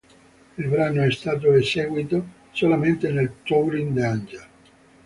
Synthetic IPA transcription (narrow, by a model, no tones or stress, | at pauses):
ilbɾaːnoɛst̪aːt̪̬oesɛːɡwit̪o | solament̪enelt̪owɾind̪and͡ʒa